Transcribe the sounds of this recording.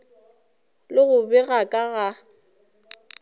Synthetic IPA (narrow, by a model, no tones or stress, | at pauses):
lɪɣʊbɛɣakʼaɣa